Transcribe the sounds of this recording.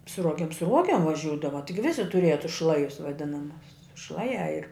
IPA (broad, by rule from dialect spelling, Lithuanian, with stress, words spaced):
sʊ ˈruɔɡʲɛm sʊ ˈruɔɡʲɛm ʋɐˈʒʲuːdɐʋɐ ˈtʲɪɡʲɪ ˈʋʲɪsʲɪ tʊˈrʲiɛjɛ tʊs ˈʃlˠɑːjʊs ʋɐˈdʲɪnɐmʊs ˈʃlˠɑːˌjæː ɪr